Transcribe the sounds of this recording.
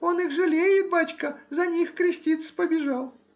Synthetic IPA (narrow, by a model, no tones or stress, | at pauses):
o̞nɨxʐɨlʲejɪt̪̚bat͡ɕkəzɐnʲixkɾʲɪsʲtʲit̪sə̥pəbʲɪʐalˠ